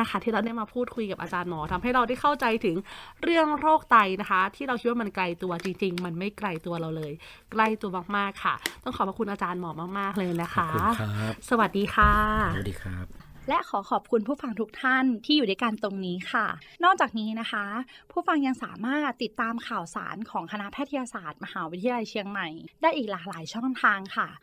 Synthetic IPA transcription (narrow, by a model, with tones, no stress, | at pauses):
a˥˩xʰa˥˩t̪ʰiː˥˩ɾa˧wnaː˥˩˨maː˧pʰuː˥˩t̪̚kʰu˧jka˨˩p̚ʔaː˧t͡ɕaː˧nmɔː˨˦t̪ʰa˧mɦa˥˩jɾa˧wda˥˩jkʰa˥˩wt͡ɕa˧jt̪ʰɯ˩˦ŋɾɯ˥˩əŋɾoː˥˩k̚t̪a˧jna˦˥kʰa˦˥t̪ʰiː˥˩ɾa˧wkʰi˦t̪̚waː˥˧ma˧nkla˧jt̪u˧ɐt͡ɕi˧ŋt͡ɕi˧ŋma˧nma˥˩jkla˧jt̪u˧ɐɾa˧wlɤː˧j | kla˥˩jt̪u˧ɐmaː˥˩k̚maː˥˩kʰːa˥˩t̪ɔ˥˩ŋʰɔː˨˩pʰa˧˩ku˧nʔaː˧t͡ɕaː˧nmɔː˨˦maː˥˩k̚maː˥˩k̚lɤː˧jna˦˥xʰa˦˥sa˧wa˨˩diː˧xʰaː˥˩di˧a˦˥p̚lɛ˦˥ʔkʰɔː˩˦xʰɔː˨˩p̚kʰu˧npʰuː˥˩fa˧ŋt̪ʰu˦˥k̚t̪ʰa˥˩nt̪ʰiː˥˩juː˨˩daː˥˩jka˧nt̪o˧ŋniː˦˥xʰa˥˩nɔː˥˩k̚t͡ɕaː˨˩k̚niː˦˥na˦˥xʰa˦˥ | pʰu˥˩˨fa˧ŋja˧ŋsaː˩˦maː˥˩t̪ːi˨˩t̪ːaː˧mkʰaː˨˩wsa̰ː˩˦nkʰɔː˨˩˦ŋkʰa˧na˦˥pʰɛː˥˩t̪ʰjaː˧saː˨˩t̪̚ma˧haː˩˦wi˦˥t̪ʰi˧a˧la˧jt͡ɕʰi˧əŋma˨˩jdaː˥˩jʔiː˨˩k̚laː˨˩k̚laː˨˩˦jt͡ɕʰɔ˥˩ŋt̪ʰaː˧ŋkʰa˥˩